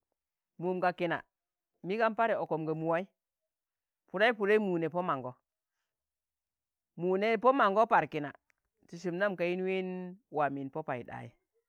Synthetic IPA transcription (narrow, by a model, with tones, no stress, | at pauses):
mu˨mɡa˨ki˨na̰˨ | mi˦ɡa˦npa˦ɾe˨o˨ko˨mɡa˨mu˨wa˦i˦ | pu˨ɾa˦i˦pu˨ɾa˦mu˨ne˨po˦ma˨ŋɡo˦ | mu˨ne˨˦po˦ma˨ŋɡo˦pa˨ɾki˨na̰˨ | ti˨s̬i˨mna˦mka˨ji˦n˦wi˦nwa˨mi˨npo˦pa˨i˨ɗa̰˨jḭ˦˨